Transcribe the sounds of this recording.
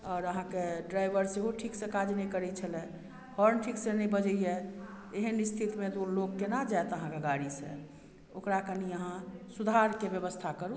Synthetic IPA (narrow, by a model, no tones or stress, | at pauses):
ɔːɾəɦãkeɖɾajbəɾseɦoʈʰiksẽkad͡ʒnəikəɾɛt͡ʃʰəlɛ̃ | hɔɾnʈʰiksẽnəĩbəd͡ʒəije | eɦənist̪ʰit̪mẽt̪oloɡkːenad͡ʒaet̪əɦãkeɡaɽisḛ̃ | okɾakəniəɦãsud̪ʱaɾkebjəbəst̪ʰakəɾu